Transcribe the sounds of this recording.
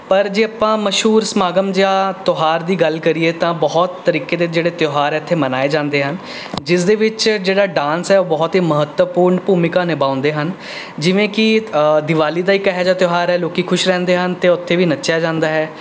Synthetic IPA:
pəɾd͡ʒeːapãːməʃɦuːɾsmaːɡəmd͡ʒaːt̪oːɦaːɾd̪iːɡəlkəɾiːeːt̪ãːbɔɦɔt̪ːəɾiːkeːd̪eːd͡ʒeːɽeːt̪joːɦaːɾɛːt̪ʰːeːmənaːeːd͡ʒãːnd̪eːɦən | d͡ʒɪsd̪eːʋɪt͡ʃd͡ʒeːɽaːɖãːnsɦɛːoːbɔːt̪iːməɦət̪wəpuːɾɳpuːmɪkãːnɪbãːʊ̃nd̪eːɦən | d͡ʒɪʋẽːkɪd̪ɪʋaːliːd̪aːiːkɛɦɛːd͡ʒaːt̪joːɦaːɾɛːloːkiːkʰʊʃɾɛ̃ːnd̪eːɦənt̪eːʊt̪ʰːeːʋiːnətːʃjaːd͡ʒãːnd̪aːɦɛː

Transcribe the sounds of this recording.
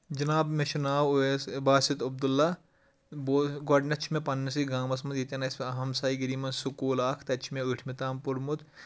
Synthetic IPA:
d͡ʒɐnaːbmeʃunaːwesbaːsit̪ɐb̚d̪ulːa | boɡɔɖnɐt͡ʃʰimẽpɐnːɐs̬iɡaːmɐs̬mɐd̪jit̪ʲɐnɐsmɐɦɐmsaːiɡɐɾiːmɐnsukoːlaːkʰt̪ɐt͡ʃʰmẽuʈʰmet̪aːmpuɾmut̪

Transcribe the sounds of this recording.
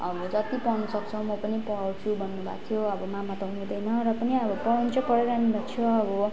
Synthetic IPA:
ʌ̰bʌd͡zʌt̪ipʌnʌsʌkt͡sʰʌmʌpʌnipʌɽawt͡sʰubʱʌnːubʱa̰t̪ʰjoʌbʌmamat̪ʌɦunũd̪ʌjnʌɾʌpʌniʌbʌpʌɽnt͡sʰʌpʌɽeɾaɦnubʱat͡sʰjʌʌbʌ

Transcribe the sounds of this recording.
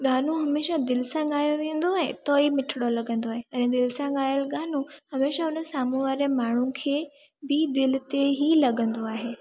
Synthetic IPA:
ɠaːn̤ũɦɐmeːʃad̪ɪlɪsãɠaːjoʋẽːə̃n̆d̪oaɦẽt̪oːimɪʈʰɪɽolɐɡə̃nd̪oaːɦeɛ̃ːd̪ɪlɪsãɠaːjəlɠaːn̤ũhɐmeːʃaʊnəsaːmũʋaːɾemaːɳ̤ũkʰeː | bɪd̪ɪlɪ̆t̪eɦilɐɡə̃nd̪oaːɦeː

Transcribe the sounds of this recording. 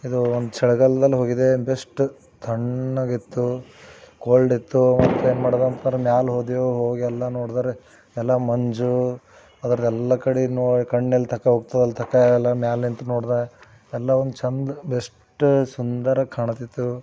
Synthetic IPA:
id̪uond̪ut͡ʃɛɭuɡɐlːɐd̪ɐlːiɦo̞ːɡid̪e̞besʈ | t̪ʰɐɳːɐɡit̪ːu | koːɭɖit̪ːumɐt̪ːueːnmɐːɽd̪ont̪ʰɐnɾɐmjaːlɦoːd̪ijoɦoːɡiɛlːɐnoːɽd̪aːɾe | ɛlːɐmɐɲd͡ʒu | ɐd̪ɐɾɐd̪ɛlːɐkɐɽinoːikɐɳːelːt̪ʰɐkːɐɦoɡt̪ɐd̪ɐlit̪ʰɐkːɐɛlːɐmjaːlint̪ɐnoːɽd̪aɾe | ɛlːɐond̪ut͡ʃɐnd̪bes | ʈsund̪ɐɾɐkʰaːɳɐt̪it̪ːu

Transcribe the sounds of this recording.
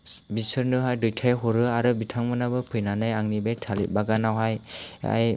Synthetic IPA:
bisɯɾnɯɦajdɯjtʰajɦɔɾɯaɾɯbitʰaŋmɯnabɯpʰɯjnanajaŋnibejtʰalḭt̚baɡanawɦaja̰j

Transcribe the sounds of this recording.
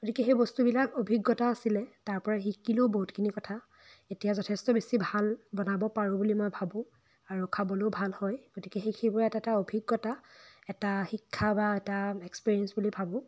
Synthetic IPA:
ɡotikɛxejbɔstubilakobʱiɡːɔtaːsilɛtaɹpɔɹaɦikiloboɦutkʰinikɔtʰa | etijazɔtʰɛstɔbesibʱalbɔnabɔpaɹʊ̃bulimojbʱabʊ̃ | aɹukʰabɔlobʱalhɔjɡ̥otikɛxexʰebɔɹɛtataobʱiɡːɔtaɛtaxikʰːabaɛtaekspiɹiɛnsbulibʱabʊ̃

